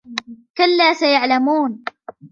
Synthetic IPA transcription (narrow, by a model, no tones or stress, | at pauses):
kalːaːsajaʕlamuːn